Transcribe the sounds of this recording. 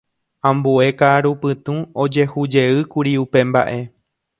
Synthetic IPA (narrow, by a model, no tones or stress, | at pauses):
ãmbue̞kaɾupɨt̪ũo̞d͡ʒe̞hud͡ʒe̞ɨkuɾiupe̞mba̰ʔe̞